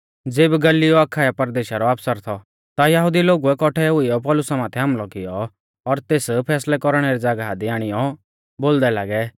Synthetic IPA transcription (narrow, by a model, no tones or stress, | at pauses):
d͡zeːbɡɐliɔɐkʰaːapɐɾd̪eːʃaɾɔaːpsəɾt̪ʰɔ | t̪ajɐɦʊd̪iloːɡuɛkɔʈʰɛɦʊiɔpɔːlʊsamaːt̪ʰɛɦɐmlɔkɪjɔ | ɔɾt̪eːspʰɛːslɛkɔɾɽ̃ɛɾid͡zaːɡaɦad̪iaːɽ̃ɪjɔ | boːld̪ɛlaːɡɛ